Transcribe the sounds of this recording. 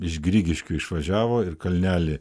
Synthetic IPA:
ɪʃɡɾʲiːɡʲɪʃʲkʲʊɪʃʋɐʒʲæːʋoːɪɾkɐlʲnʲæːlʲɪ

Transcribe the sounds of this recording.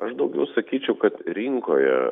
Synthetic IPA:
ɐʃd̪ɐʊɡʲɛʊsɐkʲiːt͡ʃʲɛʊkɐt̪ɾʲɪŋkoːjɛ̰

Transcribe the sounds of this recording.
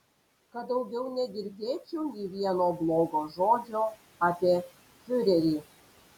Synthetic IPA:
kɐt̪d̪ɐʊɡʲɛʊnʲɛd̪ʲɪɾʲd̪ʲeːt͡ʃʲuːnʲɛɪʋʲiɛnoːblˠoːɡoːʒoːd͡ʒʲoː | apʲeː | fʲʊɾʲɛɾʲiː

